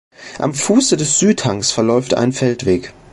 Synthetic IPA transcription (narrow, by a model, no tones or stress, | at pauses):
ʔa̰mfuːsədɛsz̥yːthaŋsfɛɐlɔʏfta̰ɪnfɛltv̥eːk